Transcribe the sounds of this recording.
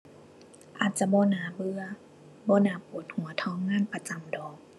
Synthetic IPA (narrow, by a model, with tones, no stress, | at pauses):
ʔaː˨˩t̪̚t͡ɕa˧bɔː˧˦˨naː˨˧˦bɯ˧ɐ | bɔː˧˦˨naː˧˦puː˨˩t̪̚hu˩˦ɐt̪ʰɔː˧˥ŋːaː˧˥˨npa˧t͡ɕa˧˦mdɔː˨˩k̚